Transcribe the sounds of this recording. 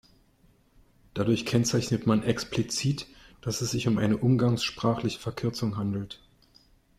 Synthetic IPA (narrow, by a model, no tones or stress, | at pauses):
d̥adʊɐçkʰɛnt͡saɪçnətmanʔɛksplit͡siːtd̥asɛsz̥ɪçʊmʔaɪnəʔʊmɡaŋsʃpʁ̥aːχlɪçə̥fɛɐkʰʏɐt͡sʊŋɦandl̩t